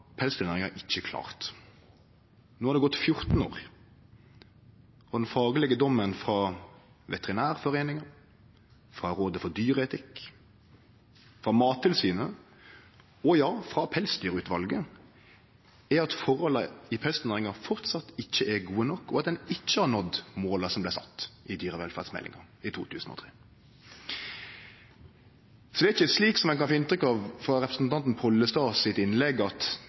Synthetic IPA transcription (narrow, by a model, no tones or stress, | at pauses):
pʰɛlst̪ʉʁnæːʁɪŋɑʔɪt͡ʃːəkʰlɑ̰ːʁt̪ | noːhɑd̪ɛɡɔt̪ːfjʊʁt̪n̩o̰ːʁ | ɔd̪ɛnfɑːɡəlɛɡəd̪ɔmːənfɾɑʋɛt̪ɛʁɪnæːʁfɔɾeːnɪŋɑ | fʁɑɾoːd̪əfɔɾd̪yːɾəɛt̪ʰɪkː | fɾɑːmɑːt̪ʰːɪlsyːnə | ɔjɑːfʁɑpʰɛlsd̪yːɾʉːt̪ʋɑlɡə | ɛɾɑt̪fɔɾɔləɪpʰɛlst̪næːʁɪŋɑfɔʁt̪sɑt̪ːɪc͡çːəʔɛɾɡuːənɔkːɔɑt̪̚d̪ɛnɪçːəhɑɾnɔd̪moːləsɔmblæɪsɑ̰t̪ːʔɪd̪yːɾəʋɛlfæ̰ʁd̪smɛ̰lʔɪ̰ŋɑ̰ | ɪt̪ʰṵːt̪ʰʉ̰ːsn̩ɔ̰t̪ʰʁeː | sɔd̪ɛɪçːəsliːksɔmɛnkɑnfoːɪnt̪ɾʏkːɑʋfɔɾɛpɾəsnt̪ʰɑnt̪n̩pʰɔlːəst̪ɑːsɪt̪ɪnlɛɡɑt̪